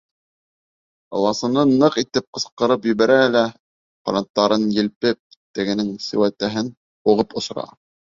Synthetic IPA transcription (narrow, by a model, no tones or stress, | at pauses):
ɑ̰w̪ˠɑsɤ̆nɤnɤqit̪ɘp̚qɤ̆sqɤ̆ɾɤpjɵ̆βæɾæɘ̆læ | qolʲɑnt̪ːɑɾɤnjɘ̆lpɘp̚t̪ɘ̆ɡɘ̆nɘŋsɘ̆wæt̪æɦɘn | uʁɤpŏs̆ɾɑ̰